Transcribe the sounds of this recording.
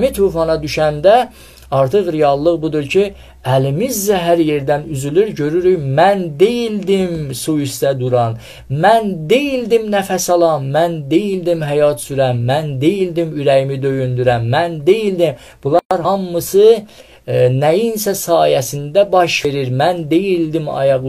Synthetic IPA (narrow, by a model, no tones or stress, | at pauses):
mit̪ʰuːfɑnɑd̪yʃænd̪æ | ɑɾt̪ʰɯʁɾejɑlˠːɯʁbud̪uɾcʰi | ælimizːæɦæɾje̞ɾd̪ænyzylyɾɟø̞ɾyɾyjmænd̪ejild̪imsujisd̪æd̪uɾɑn | mænd̪e̞jild̪imnæfæsɑlˠɑmːænd̪ejild̪imɦæjɑt̪syɾæmːænd̪ejild̪imyɾæjimid̪ø̞jynd̪yɾæmːænd̪e̞jild̪im | b̥ulˠɑɾhɑmːɯsɯ | næjinsæsɑːjæsind̪æbɑʃve̞ɾiɾmænd̪e̞jild̪imɑ̰jɑʁ